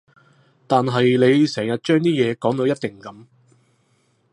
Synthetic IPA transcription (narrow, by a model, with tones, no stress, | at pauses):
t̪aː˨nɦɐ˨jle˨˧jsɛː˨˩ŋjɐ˨t̚t͡ʃœː˥ŋt̪iː˥jɛː˨˧kɔː˨˥ŋt̪o˨˧wjɐ˥t̚t̪ɪ˨ŋkɐ˨˦m